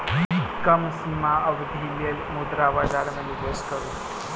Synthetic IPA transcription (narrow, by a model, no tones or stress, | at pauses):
kəmsimaəʋd̪ʱilelmud̪ɾabad͡ʒaɾmenibeskəɾu